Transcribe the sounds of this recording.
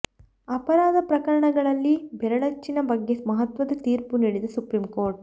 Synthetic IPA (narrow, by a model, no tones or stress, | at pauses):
ɐpɐɾaːd̪ʱɐpɾɐkɐɾɐɳɐɡɐɭɐlːibɛɾɐɭɐt͡ʃːinɐbɐɡːe̞mɐɦɐt̪ʋɐd̪ɐt̪iːɾpuniːɽid̪ɐsupɾimko̞ːɾʈ̚